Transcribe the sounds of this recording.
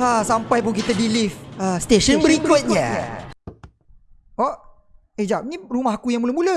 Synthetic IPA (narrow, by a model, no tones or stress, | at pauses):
asampajpʊŋkit̪adilifəst̪eʃənbəɾikʊt̪̚ɲa̰a̰ | ɔʔ | ed͡ʒap̚niɾumaɦakujãŋmuləmulə